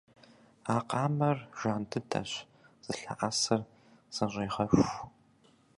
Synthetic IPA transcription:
aːqɑːmɐrʒ̥aːntʰɨtʰɐ̰ɕ | z̥ɨɬa̰ʔaːsɐr | z̥ɨreːʁɐɕʷ

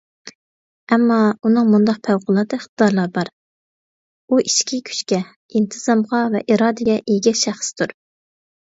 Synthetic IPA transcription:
ɛmːɑunɨŋmund̪ɑq̚pʰæwqʊlˠɑd̪ɨiχt̪əd̪ɑɾlˠɑɾbɑɾ | uʔiʃkʲikʲʰy̥t͡ʃkʲɛ | int̪ʰɨz̥ɑmʁɑvɛ̰ʔiɾɑːd̪ɨɡʲɛʔejɡʲɛʃæχst̪ʰuɾ

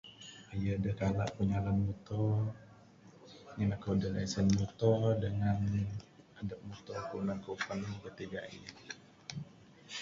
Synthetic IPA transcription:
ajadəhkala̰ʔpəɲalanmɔt̪ɔ | ŋanakəwdəlasənmɔt̪ɔdəŋan | adap̚mut̪ɔkəunaŋkəufankət̪iɡa̰ḭ

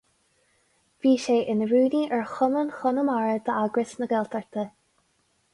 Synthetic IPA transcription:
v̥iːʃeːʔɪnəɹuːniʔɛɹxʊnənxʊnəmaɹəd̪əaɡɹɪsnəɡɛlt̪ʰəɹt̪ʰə

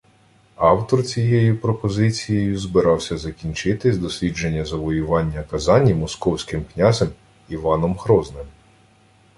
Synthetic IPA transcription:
ɑwt̪ɔrt͡sʲijejupɾɔpɔzɪt͡sʲijejʊzbɪɾɑwsʲɐzɐkʲinʲt͡ʃɪt̪ɪzd̪ɔsʲlʲid͡ʒe̞nʲːɐzɐʋɔjʊʋɑnʲːɐkɐzɑnʲimɔskɔwsʲkɪmknʲazem | iʋɑnɔmɦɾɔznɪm

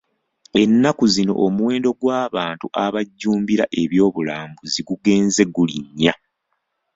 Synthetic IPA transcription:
e̞nːakuzino̞̰ʔomuwe̞ːndo̞ɡwaːβaːntuʔaβaɟːuːmbiɾaʔe̞βjo̞ːβulaːmbuziɡuɡe̞ːnze̞ɡuliɲːa

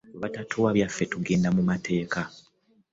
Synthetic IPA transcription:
βatatʰowaβjafːetuɡe̞ːndamumatʰe̞ːka

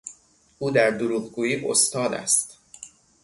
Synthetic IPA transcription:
ʔuːd̪æɾd̪oɾuːɣɡuːjiːʔo̰st̪ɒːd̪æ̰st̪

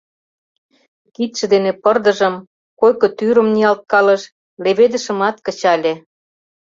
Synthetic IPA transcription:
kit̪ʃə̆d̪enepɤrd̪ə̆ʒə̆m | kojkŏt̪yɾə̆mniɑlt̪̚kɑlə̆ʃ | leβed̪ə̆ʃə̆mɑt̪kə̆t͡ɕɑlʲe

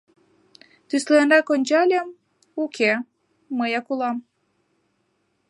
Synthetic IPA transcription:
t̪ysleenrɑkonʲt͡ɕɑlʲɑm | ukʰeː | əjɑkulɑm

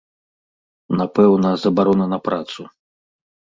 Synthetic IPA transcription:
napɛwnɐzɐbaɾɔnɐnɐpɾat̪su

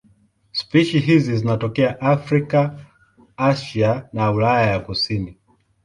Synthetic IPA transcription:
spiʃiɦizizinatɔkɛaʔafɾika | aʃanaulajajakusini

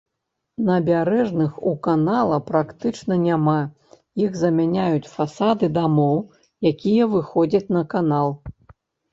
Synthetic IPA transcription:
nɐbʲaɾɛʐnɨxukanalˠɐpɾakt̪ɨt͡ʂnɐnʲama | jiɣzɐmʲanʲajut͡sʲfasad̪ɨd̪amɔw | jakʲijɐvɨxɔd͡zʲɐt͡sʲnɐkanalˠ

